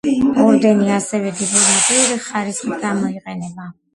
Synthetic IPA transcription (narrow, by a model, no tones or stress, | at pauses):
ɔɾd̪ɛniasɛvɛd̪id̪iɾiqʼiuɾiχaɾisit̪ɡamɔiqʼɛnɛba